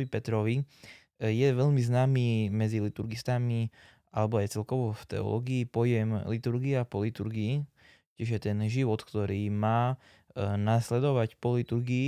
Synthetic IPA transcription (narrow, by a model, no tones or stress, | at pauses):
ʋipɛt̪ɾɔʋi | jɛʋɛʎmiznaːmiːmɛd͡zilit̪uɾɡist̪ami | alɛbɔajt͡sɛlkɔʋɔft̪ɛ̰ɔ̰lɔ̰ɡiːpɔjɛmlit̪uɾɡiapɔlit̪uɾɡiː | cɛʒjɛt̪ɛnʒiʋɔt̪kt̪ɔɾiːmaː | naslɛd̪ɔʋacpɔlit̪uɾɡiː